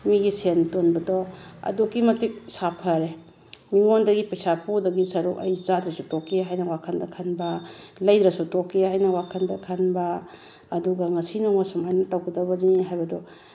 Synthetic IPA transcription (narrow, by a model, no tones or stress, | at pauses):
miɡisentonbɐdɔɐ̰dukːimɐtik̚sapʰɐɾe | miŋondɐɡipɐjsapudɐɡisɐɾukɐ̰jt͡ʃad̪ɾɐsutokːeɦajnɐwakʰɐndɐkʰɐnbɐlɐjd̪ɾɐsutokːihajnɐwakʰɐndɐkʰɐnbɐː | duɡɐŋɐsinaŋɐsɐmajnɐtawɡɐdɐbɐniɦajbɐdɔ